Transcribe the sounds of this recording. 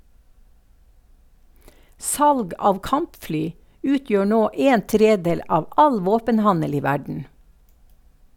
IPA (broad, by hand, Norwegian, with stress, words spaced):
ˈsɑlɡ ˈɑːʋ ˈkɑmpˌflyː ˈʉːˌtjøː ˈnoː ˈeːn ˈtɾeːˌdeːl ˈɑːʋ ˈɑl ˈʋoːpənˌhɑnəl ˈiː ˈʋæɖɳ̩